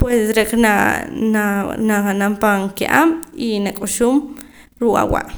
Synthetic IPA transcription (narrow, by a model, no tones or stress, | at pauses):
pwesɾeknananaanampaŋkeʔa̰minakʼoʃuːm | ɾuʔa̰wa̰ʔ